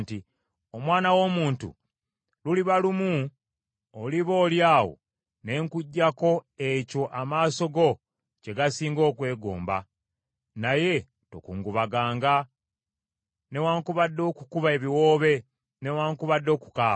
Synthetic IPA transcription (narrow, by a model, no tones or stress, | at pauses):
nti | omwaːnawo̞ːmuːntṵ | luliβalumu | oliβo̞ːljaːwo̰ | ne̞ːŋkuɟːako̞eco̞ʔamaːso̞ɡo̞ | ce̞ɡasiːŋɡo̞ːkwe̞ːɡo̰ːmba̰ | naje̞ | to̞̰kuːŋɡuβaɡaːŋɡa | ne̞waːŋkuβadːo̞ːkukuβae̞βiwo̞ːβe̞ | ne̞waːŋkuβadːo̞ːku̥kaː